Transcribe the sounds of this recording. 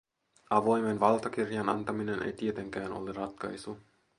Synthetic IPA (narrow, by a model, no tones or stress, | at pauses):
ʔɑʋo̞jmenʋɑlt̪ɑkirjɑnɑnt̪ɑmine̞nḛjt̪ie̞t̪e̞ŋk̟æːnʔo̞̰lerɑt̪kɑ̰jsu